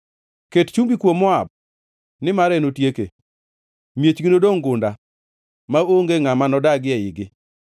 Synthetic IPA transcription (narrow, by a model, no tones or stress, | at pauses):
kett͡ʃumbikwomɔab̚ | nɪmaɾɛnotjekḛ | mjet͡ʃɡinodoŋɡʊnda | maoŋɡeŋamanɔdaɡɪɛɪɡɪ